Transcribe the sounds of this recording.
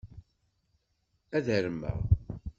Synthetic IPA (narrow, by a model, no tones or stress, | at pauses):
æðəɾəmːə̰ʁ